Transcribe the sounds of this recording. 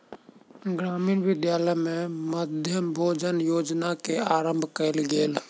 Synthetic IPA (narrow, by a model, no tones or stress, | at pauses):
ɡɾaːmiːnʋɪd̪jaːləmẽməd̪ʱjəmbʱoːd͡ʒənjoːd͡ʒnakeaːɾəmbʱkəɪlɡeːl